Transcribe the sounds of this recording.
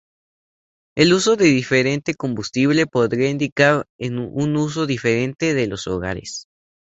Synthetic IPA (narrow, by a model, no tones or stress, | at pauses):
e̞luso̞ðe̞ðife̞ɾe̞nt̪e̞ko̞mbust̪iβle̞po̞ðɾiaind̪ikaɾenunus̬o̞ðife̞ɾe̞nt̪e̞ðe̞loso̞̰ɣa̰ɾe̞̰s